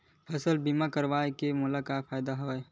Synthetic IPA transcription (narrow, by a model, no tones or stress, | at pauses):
pʰɐsəlbimakəɾʋaːekemʊlakaːfaːjd̪aɦoːe